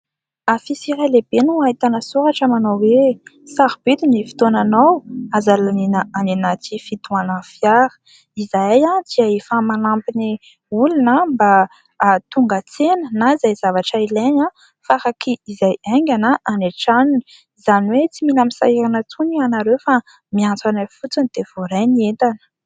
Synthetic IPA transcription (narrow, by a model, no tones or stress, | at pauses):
afisiɾaleb̥enuaɦit̪anəsuɾaʈ͡ʂəmanawwe | saɾibit̪inifi̥t̪onanawazalaninaaninat̪ifit̪uanəfjaɾə̥ | izajãd̪̥iaefamanampini | ulinəmba | t̪uŋɡat͡senənaizajz̥avaʈ͡ʂaileɲa | faɾakiizajaŋɡʲanaʔaneʈ͡ʂanini̥ | zaniwet͡similamisa̰iɾanət͡sunianaɾewfa | miant͡sanafut͡sinid̪̥ev̥oɾenient̪anə̥